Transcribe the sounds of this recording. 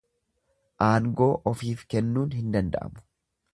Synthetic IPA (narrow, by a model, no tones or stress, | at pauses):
ʔaːŋɡo̞ːʔɔfiːfkɛnːuːnɦɪnd̪ɐnd̪ɐ̰ʔɐ̰mʊ̥